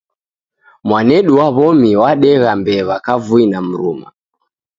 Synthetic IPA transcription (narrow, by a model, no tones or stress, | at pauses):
mwanɛɗuwaβɔmiwaɗɛɣambɛːβakavuinam̩ɾṵma̰